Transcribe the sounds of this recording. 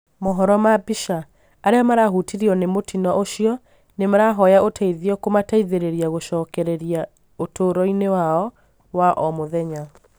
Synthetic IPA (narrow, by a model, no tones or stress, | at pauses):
moɦɔɾɔmabiʃa | aɾeɔmaɾaɦutiɾiɔnemotinɔʔoʃiɔ | nemaɾaɦɔjaʔotʰaiðiɔkomataiðeɾeɾiaɣoʃɔːkɛɾɛɾia | otʰoɾɔinewaɔ | waʔɔmoðɛɲa